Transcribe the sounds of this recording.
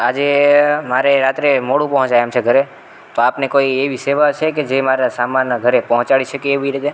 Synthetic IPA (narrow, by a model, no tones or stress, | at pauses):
ad͡ʒemaɾeɾat̪ɾemoɽũpɔɦɔ̃t͡ʃajemt͡ʃʰeɡʱəɾe | t̪oapnekoieʋiseʋat͡ʃʰeked͡ʒemaɾasamanɡʱəɾepɔɦɔ̃t͡ʃaɭiʃʰəkeeʋiɾit̪e